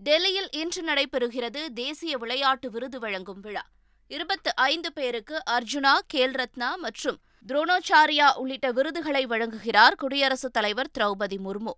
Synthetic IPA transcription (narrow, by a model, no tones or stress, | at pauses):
ɖɛlːɪjɪlʔɛndrɯnɐɽɐɪpːɛɾɯɣɪrɐðɯd̪eːsɪjɐʋɪɭɐjaːʈːɯʋɪɾɯðɯʋɐɻɐŋɡɯmʋɪɻɐ | ɪɾɯbɐt̪ːɯʔɐɪnd̪ɯpeːɾɯkːɯʔɐɾd͡ʒʊnaːkeːlɾɐt̪naːmɐʈrɯm | d̪ɾoːnoːt͡ʃːaːɾɪjaːʔʊɭːɪʈːɐʋɪɾɯðɯɣɐɭɐɪʋɐɻɐŋɡɯɣɪraːɾkʊɽɪjɐɾɐsɯt̪ːɐlɐɪʋɐɾt̪ɪɾɐʊbɐðimʊɾmoː